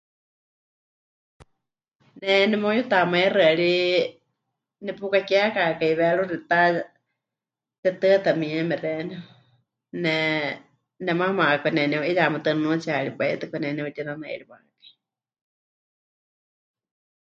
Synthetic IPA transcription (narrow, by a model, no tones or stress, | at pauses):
nɛnɛmojut̪amairɨɺi | nɛpukakɛakakaiβɛɺuɾit̪a | t͡ʃɛt̪ɨt̪amiɛmɛrɛnɛ | nɛ | nɛmamaʔkɛnɛnɛʔijaʔmɨt̪ɨnɨnut͡siaɺipaḭt̪ɨkɔnɛnɛut̪inanaḭɺima̰ʔkḁi